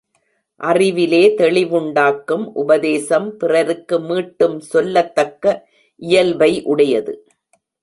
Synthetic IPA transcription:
ʔɐrɪʋɪleːt̪ɛɭɪʋʊɳɖaːkːɯmʔʊbɐðeːsɐmpɪrɐɾɯkːɯmiːʈːɯmsɔlːɐt̪ːɐkːɐ | ʔɪjɐlʋɐɪʔʊɽɐjɐðɯ

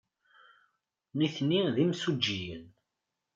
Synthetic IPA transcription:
niθnːiðimsud͡ʒːijə̰n

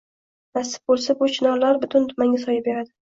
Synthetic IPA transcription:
nasɪ̥p̚bolˠsabʊt͡ʃʰɪnɒɾlaɾbʊt̪ʰʊnt̪ʰʊmaŋʲasɒjabe̞ɾad̪ɪ

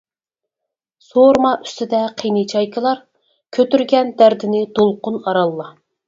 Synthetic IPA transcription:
soɾmɑʔy̥st̪ɪd̪ɛqʰijnɨt͡ʃʰɑjkʰəlˠɑɾ | kʲʰøt̪yɾɡʲɛnd̪æɾd̪ɪnɪd̪̥olˠqʊnɑɾɑlˠːɑ

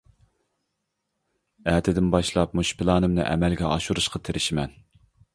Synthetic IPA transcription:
æːt̪ʰɪd̪ɪnbɑʃlˠɑp̚muʃpʰɪlˠɑːnɨmnɨ̰ʔɛ̰mɛlɡʲɛʔɑʃuɾuʃqʰɑt̪ʰeɾʔɪʃɪmɛn

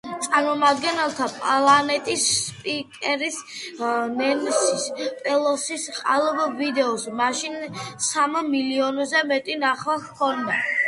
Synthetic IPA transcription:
t̪sʼaɾmɔmad̪ɡɛnɛlˠt̪ʰapʼalˠanɛt̪ʼisːpʼikʼɛɾis | nɛnsispʼɛlˠɔsisqʼalˠvvid̪ɛɔsmaʃinsammiliɔnzɛmɛt̪ʼinaχlakʰɔnd̪a

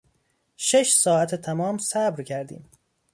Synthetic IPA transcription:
ʃe̞ʃsɒːæt̪ʰet̪ʰæmɒːmsæbɾcʰæɾd̪ḭːm

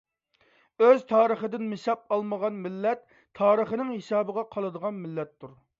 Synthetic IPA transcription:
øzt̪ʰɑːɾəχəd̪ɪnmɪsɑp̚ɑlˠməʁɑnmɪlːɛt̪ʰː | ɑːɾəχənɪŋhesɑːbəʁɑqʰɑlˠɨd̪əʁɑnmɪlːɛt̪ʰːuɾ

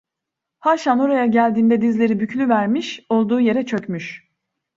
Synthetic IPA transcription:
haʃano̞ɾajaɟælʲd̪iːnd̪ɛd̪izlʲe̞ɾibyclʲyvæɾmiʃo̞lˠd̪uːje̞ɾɛt͡ʃʰø̞cmyʃ

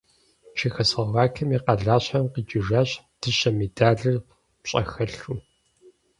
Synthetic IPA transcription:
t͡ʃʰixɐsɐʁɑːkʰɐmiːqɐɮaːɕɐmqid͡ʒʼɪʒaːɕ | d̥ɨʃɐmedaːɮɨr | pɕʼɐ̰xɐɬu

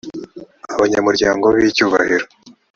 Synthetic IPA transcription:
aβaɲamuɾɟaːŋɡo̞βicuːβa̰hiɾo

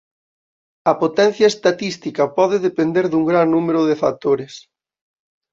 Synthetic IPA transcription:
ɐpot̪ɛn̟θjɐest̪at̪ist̪ikɐpɔðɪðepend̪eɾðuŋɡɾaŋnumeɾʊðefak̚t̪oɾɪs

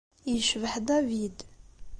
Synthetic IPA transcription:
jəʃvəħd̪ævid̪

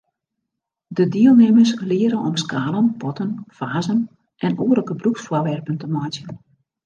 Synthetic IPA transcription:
dədeəlˠnɪməslɪəɾəɔmskaːlˠənpʰɔtənfaːzən | ʔɛnoːərləkəbruksfwɔʋɛrpəntəmɔjtjən

